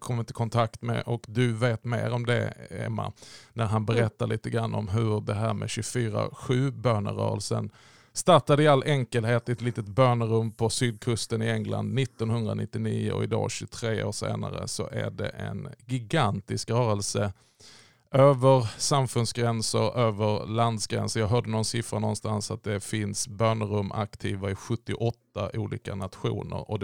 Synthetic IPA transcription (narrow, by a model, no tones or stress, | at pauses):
kʰɔmːɪnt̪əkʰɔnt̪ʰakt̪mɛ̰ʔɔkd̪ɵveːt̪mḛːɾɔmd̪ɛ̰ɛ̰mːa̰næɾɦanbɛɾɛt̪ːaɭiːt̪əɡɾanːʔɔmɦɵɖ̪ɛɦæːɾmɛɕɵfyːɾa̰ɧʉ̟ːbøːɳə̰ɾœ̰ːɾəlsə̰n | st̪aʈad̪əɪalːʔɛŋkəlɦeːt̪ɪɛt̪liːt̪ət̪bøːɳəɾɵmːpʰɔsyːd̪̚kʰɵst̪ənɪɛŋla̰nd̪nɪt̪ːɔnhɵnd̪ɾanɪt̪ːɪniːʊɔ̰ɪd̪ɑ̰ːɕʉt̪ʰɾeːoːʂḛːnaɾəsɔʔæɖɛ̰ʔɛnɡɪɡant̪ɪskɾœːɾəlsə | ʔøːvəɾsamfɵnsɡɾɛnsəɾøːvəɾland̪sɡɾɛ̰nsəɾjɑːɡɦœːɖənɔnsɪfɾanɔnst̪ansat̪̚d̪ɛfɪnsbøːɳəɾɵmːʔakt̪ʰiːvaɪɧɵt̪ːɪʔɔt̪ːaʔuːliːkanat̪ɧṵːnə̰ɾɔ